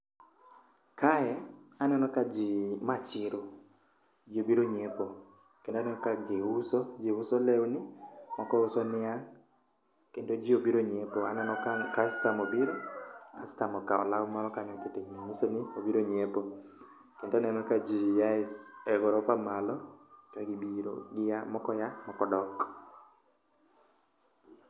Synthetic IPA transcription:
kajɛanɛnɔkad͡ʒimat͡ʃɪɾo | d͡ʒiobiɾoɲepo | kendanɛnɔkaɡeusod͡ʒiʊsolewnɪmɔkɔusɔnɪaŋ | kendod͡ʒiobiɾoɲepoanɛnɔkastamobiɾɔa̰stamɔkaɔ̰lawmaɾɔkaɲɔt̪itiɲmaɲisonɪobiɾoɲepo | kendɔnɛnɔkad͡ʒijaɪsɛɡɔɾɔfamalɔkaɡibiɾo̰ɡɪjamɔkɔjamɔkɔdɔk

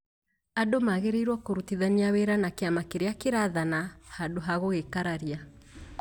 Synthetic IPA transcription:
adomaɣeɾeiɾwɔkoɾutiðaniaweɾanakeamakeɾeakeɾaðanahadoɦaɣoɣekaɾaɾia

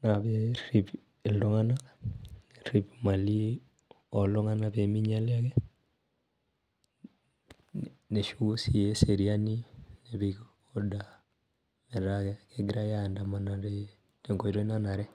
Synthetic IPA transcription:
naβerip | eldoŋana | ripmali | ɔloŋanapemiɲaleakɛ | neʃusieseɾianineβik | oda | meɾakɛkeɡiɾajandamanaɾe | teŋɡoiɾonanaɾɛ

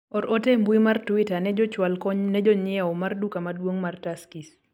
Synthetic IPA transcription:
ɔɾɔtɛmbuimartwitanɛd͡ʒɔt͡ʃwalkɔɲnɛd͡ʒɔɲɪaɔmardukamadwoŋmartaskis

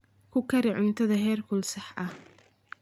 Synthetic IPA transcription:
kʰʊkʰɐɾɪʕʊnt̪ʰɐðɐɦɛːrkʰʊlsɑħʔɐh

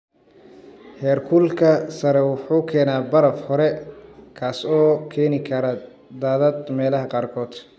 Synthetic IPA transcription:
hɛːrkʰʊlkʰɐsɐɾɛwʊħuːkʰɛːnaːbɐɾɐfhɔɾɛkʰaːsɔːkʰɛːnɪkʰɐɾɐ | d̪aːðɐd̪mɛːlɐɦɐqɑːrkʰɔːd̪

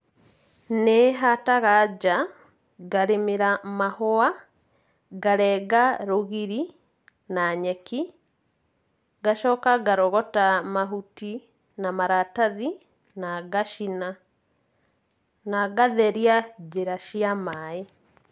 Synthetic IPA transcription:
neɦataɣad͡ʒa | ɡaɾemeɾamahɔa | ɡaɾɛɡaɾoɣiɾi | naɲɛki | ɡaʃɔːkaɡaɾɔɣɔtamaɦuti | namaɾataði | naɡaʃina | naɡaðɛɾiad͡ʒeɾaʃiamae

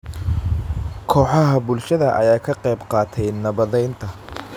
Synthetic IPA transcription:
kʰɔːħɑɦɐbʊlʃɐðɐʔɐ̰jaːkʰɐqɑjbqɑːt̪ʰɛjnɐβɐðɛjnt̪ʰɐ

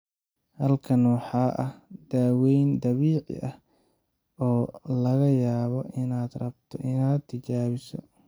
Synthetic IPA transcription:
hɐlkʰɐnːɑħɑːʔɐhd̪̥aːwɛjnd̪ɐβiːʕɪ̰ʔɐh | ɔːlɐɣɐjaːβɔʔɪnaːd̪rɐbt̪ʰɔʔɪnaːd̪t̪ʰɪt͡ʃaːβɪsɔ̰

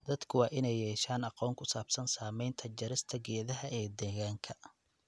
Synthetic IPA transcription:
d̪̥ɐd̪kʰʊwɑːʔɪnɛjɛːʃaːnɑqɔːŋkʰʊsaːbsɐnsaːmɛjnt̪ʰɐd͡ʒɐɾɪst̪ʰɐɡɛːðɐɦɐʔɛːd̪ɛːɣaːŋkʰɐ

